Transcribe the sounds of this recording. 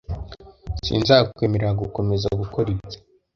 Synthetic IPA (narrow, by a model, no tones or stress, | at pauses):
sḭːnzakukweːmeɾeaɡuko̞me̞zaɡukoɾit͡sḁ